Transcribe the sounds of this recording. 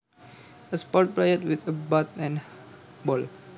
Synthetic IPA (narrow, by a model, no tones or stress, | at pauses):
əspɔt̚plejətwit̪əbat̪̚ɛ̃nbɔl